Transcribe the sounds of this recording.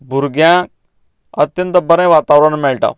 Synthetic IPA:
bʱuɾɡjã | ə̰t̪jə̃nt̪əbəɾẽjʋaːt̪aʋɾəɳmɛɭʈa̰

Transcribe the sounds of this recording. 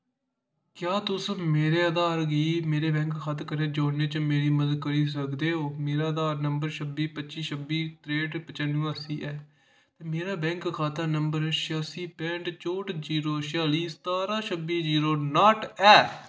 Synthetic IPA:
kjaːt̪ʊsmeːɾeːəd̪aːɾɡiːmeːɾeːbɛ̃ːŋkkʰːaːt̪kəɾẽːd͡ʒoːneːt͡ʃəmeːɾiːməzəd̪̚kəɾiːs̬əkd̪eːɦoːmeːɾaːəd̪aːɾnəmbəɾʃʰəbiːpətːt͡ʃiːʃəbiːt̪ɾeːɖpət͡ʃənũːaːsiːʔɛː | t̪eːmeːɾaːbɛ̃ːŋkkʰːaːt̪ənəmbəɾʃɪjaːsiːpɛ̃ːɳʈt͡ʃoːʈd͡ʒiːɾoːʃɪjaːliːst̪aːɾaːʃəbiːd͡ʒiːɾoːnaːʈɛː

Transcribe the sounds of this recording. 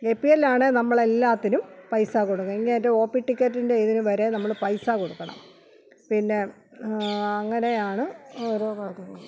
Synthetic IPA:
epːielaːɳenɐmːɐɭelːaːt̪ːinumpɐjsakoɽuŋːɐiŋːietːeo̞ːpːiʈːikʲːɐtːinde̞ːðinuʋɐɾe̞nɐmːɐɭpɐjsakoɽukːɐɳɐ̰m | pinːe̞ | ɐŋːɐne̞jaːɳɨoɾoːkaːɭkɐŋːɐɭ

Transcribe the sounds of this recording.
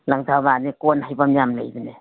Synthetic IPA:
laŋtʰaβanikonhajbamjamlḛjbɯne

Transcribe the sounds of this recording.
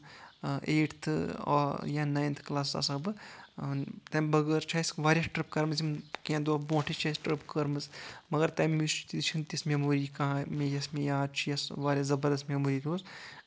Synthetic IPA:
ʔeːʈʰt̪ʰː | jãːnaːjnt̪ʰklaːsa̰sɐbɨ | t̪ɐːmbɐɡəɾt͡ʃʰaːsʋaːɾjɐsʈɾɨp̚kɐɾmɐzimkãnd̪obõːʈʰit͡ʃʰasʈɾɨpkɐɾmɨsmɐɡəɾt̪aːmmist͡ʃt̪it̪t͡ʃʰint̪ismemoːɾikãmejɐsmẽjaːd̪t͡ʃʰijɐsʋaːɾʲjazɐbəɾd̪ɐsmʲemoːɾiːd̪oːz

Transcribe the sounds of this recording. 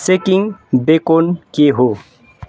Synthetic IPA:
sekiŋbekonkeɦo

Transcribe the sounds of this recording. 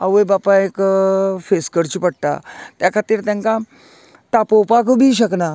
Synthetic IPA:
aʋəjbapãekfeskəɾt͡ɕiːpəɽt̪a̰t̪jakʰat̪iːɾt̪jãŋka | t̪apowpakəbʱiːɕəkna

